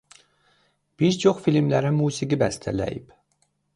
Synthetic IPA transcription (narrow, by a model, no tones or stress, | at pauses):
b̥iɾt͡ʃʰoχfilmlæɾæmuːsiɡibæst̪ʰæ̰læ̰jḭb̥